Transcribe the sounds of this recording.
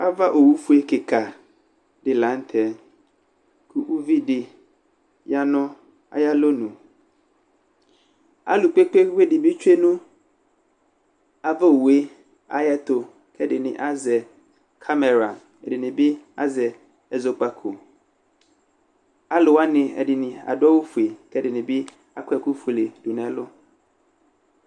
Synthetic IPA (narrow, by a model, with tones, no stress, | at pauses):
a˦va˦ʔo˨wu˦fu˦e˦ke˨kʰa˨ | dɪ˨lã˨˦n̩˦t̪ʰɛ˨ | kʰu˦ʔu˦vi˦dɪ˨ | ja˦nʊ̃˦ | a̰˦ja˦lo˦nũ˨ | a̰˦lʊ˨k͡pe˦k͡pe˦we˦dɪ˨bi˦t͡ʃᶣe˦nũ˦ | a˨va˦o˨we˦ | a̰˦jɛ˦t̪o˨ | kʰɛ˦dɪ˨nɪ̰̃˨ʔa˦zɛ˨ | kʰa˦mɛ˨ɾa˨ | ɛ̰˨dɪ˨nɪ̃˨bɪ˦a˦zɛ˨ | ɛ˨zo˨k͡pa˨kʰo˨ | a˦lʊ˨wa˦nɪ̃˨ɛ̰˨dɪ˨nɪ̃˨a̰˨dʊ˦a˦wo˦fu˨e˨kɛ˦dɪ˨nɪ̃˨bɪ˦ | a̰˦kɛ˨ku˦fu˨lɪ˨du˨nɛ̃˨lʊ˦